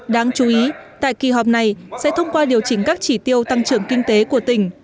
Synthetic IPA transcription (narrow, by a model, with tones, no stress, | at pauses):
ɗaː˧ŋt͡ɕu˨˦ʔi˨˦t̪a̰ː˧˨jki˨˩ɦɔ˨˩k͡p̚na˨˩jsɛ̰˧˥t̪ʰə˧wŋ͡mkwaː˧ɗi˨˩əwt͡ɕï˧˩ŋ̟kaː˦˥k̚t͡ɕi˧˩t̪i˧əwt̪a˧ŋt͡ɕɨ˧˩əŋkï˧ŋ̟t̪e˨˦ku˧˩ət̪ï˧˩ŋ̟